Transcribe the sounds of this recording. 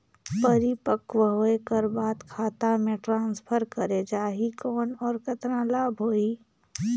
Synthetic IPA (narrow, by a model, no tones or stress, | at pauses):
pəɾipəkwəɦoːekəɾbaːd̪kʰaːt̪amẽʈɾãːnspʰəɾkəɾed͡ʒaːɦikɔːnɔːɾkɐt̪ɾãlaːbʱɦoːiː